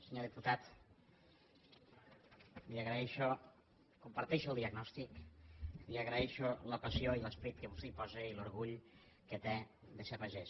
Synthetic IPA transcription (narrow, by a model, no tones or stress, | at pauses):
seɲoðiput̪at̪ | miaɣɾaɛʃo | kumpaɾt̪ɛʃuəlˠd̪iaɡnɔst̪ik | miaɣɾaɛʃoləpasioiləspɾit̪kəβust̪eipɔzeiloɾɣuʎ | ket̪ed̪esapaʒes